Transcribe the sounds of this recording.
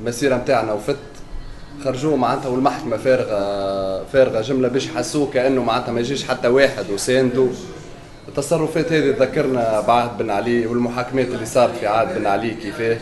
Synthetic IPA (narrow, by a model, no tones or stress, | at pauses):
lmæsiːɾamt̪aːʕnæwfɪt̪ː | xɑɾˤːɑʒuːmaʕand̪hæwɪlmaħkmæfɛːɾɣɑfɛːɾɣaʒɪmlæbɛːʃjħasːuːkæʔænːumaʕand̪hæmæjʒiːʃħat̪ːæweːħɪd̪wsɛːnd̪u | ʔɪt̪ːɑsˤɑrˤːʊfɛːt̪hɛːðit̪ðækːɑɾˤnæbʕad̪̚bɪnʕaliːwɪlmʊħaːkmɛːt̪ɪlːiːsˤɑːɾˤɑt̪fiʕaːd̪̚bɪnʕaliːkifɛː